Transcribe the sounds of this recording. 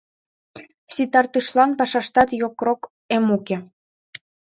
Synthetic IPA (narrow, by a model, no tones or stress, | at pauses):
sit̪ɑrt̪ɯʃlɑnpɑʃɑʃt̪ɑt̪jokrok | emuke